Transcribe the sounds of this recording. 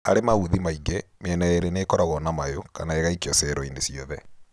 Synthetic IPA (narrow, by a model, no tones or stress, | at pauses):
a̰ɾemaβuðimaiɡemɛnaeɾeneːkɔɾaɣɔnamajokanaeɣaikjɔsɛɾɔinesiɔðɛ